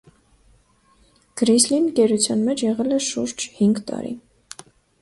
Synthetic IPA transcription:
ɡ̥ɾislinkɛɾut͡sʰjɑnmɛt͡ʃʰjɛʁɛlɛʃuɾd͡ʒhiŋɡt̪ɑ̰ɾḭ

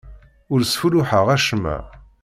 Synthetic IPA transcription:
ʊɾsfulʊħəʁæʃmæ̰

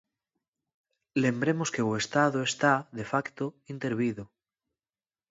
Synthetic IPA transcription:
le̞mbɾe̞moske̞we̞st̪aðoest̪aðe̞fakt̪oint̪e̞ɾβiðo

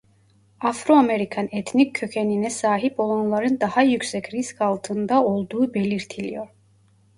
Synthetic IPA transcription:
afɾoameɾikʰanɛt̪ʰnicʰːøcʰeninɛsaːɦipo̞lˠanlˠaɾɯnd̪ahajycʲsɛcɾiskʰalˠt̪ʰɯnd̪ao̞lˠd̪uːbelʲiɾt̪ʰilʲḭjoɾ

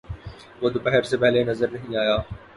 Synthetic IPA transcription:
ʋod̪pɛɦəɾsepɛɦlenɐzəɾnɐɦĩaːjaː

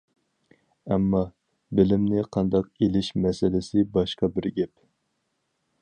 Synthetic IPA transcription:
ɛmːɑ | bɪlɪmnɪqʰɑnd̪ɑqelɪʃmɛsɪlɪsɪbɑʃqɑbɪɾɡʲɛp

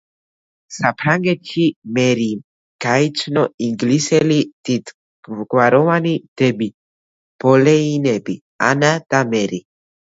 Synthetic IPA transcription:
sapʰɾaŋɡɛt͡ʃʰimɛɾi | ɡ̥ait͡ʃʰnɔiŋɡlisɛlid̪̥it̪ | ɡ̥waɾɔvanid̪̥ɛbi | b̥ɔlɛinɛbi | a̰nad̪̥amɛɾi

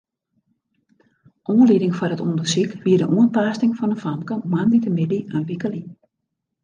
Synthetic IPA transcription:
ʔoːənlidɪŋfɔrətṵndərsikʋiədəʔuənpaːstɪŋfɔnəfamkəmanditəmɪdiənʋikəli

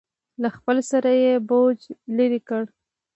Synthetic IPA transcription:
laxpəlsaɾajebod͡ʒləɾikəɽ

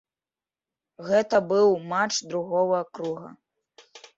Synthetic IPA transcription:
ɣɛt̪ɐbɨwmat͡ʂd̪ɾuɣɔvɐkɾuɣɐ̰

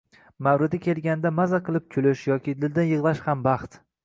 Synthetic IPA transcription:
mawɾɪd̪ɪkʲʰe̞lɡʲanɪd̪amazaqʰɨlˠɪp̚kʲʰʊlɪʃjɒkʲʰɪd̪ɪld̪ɪnjɨʁlˠaʃhambɑχt̪

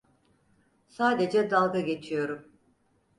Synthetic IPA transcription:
saːd̪e̞d͡ʒɛd̪alˠɡaɡe̞t͡ʃʰijo̞ɾum

